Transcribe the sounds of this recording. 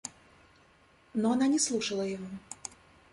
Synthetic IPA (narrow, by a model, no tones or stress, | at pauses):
nɔananʲɛslˠuʂɐlˠɐjavɔ